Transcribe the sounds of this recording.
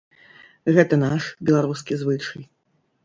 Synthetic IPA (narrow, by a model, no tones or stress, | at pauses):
ɣɛt̪ɐnaʂbʲɛlˠaɾuskʲizvɨt͡ʂɐj